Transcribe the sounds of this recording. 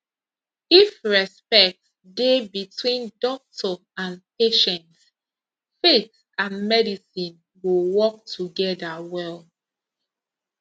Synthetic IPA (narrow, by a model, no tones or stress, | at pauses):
ifɹɛspɛk̚t | debitwĩndɔk̚tʰɔ | ãnpeʃɛ̃nt | fet | ãnmɛdisĩn | wuwɔk̚tʰuɡɛdawɛl